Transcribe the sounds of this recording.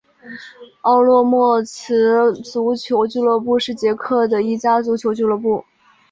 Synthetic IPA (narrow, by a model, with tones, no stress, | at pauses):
ɑ˥˧ʊlwɔ˥˧mwɔ˥˩t͡sʰɹ̩˧˥t͡su˧˥t͡ɕʰjo˧˥ʊt͡ɕy˥˧lɔ˥˧pu˥˧ʂɻ̩˥˩t͡ɕjɛ˧˥kʰɤ˥˩d̪ə˩i˥˩t͡ɕja˥t͡su˧˥t͡ɕʰjo˧˥ʊt͡ɕy˥lɤ˥˧pu˥˩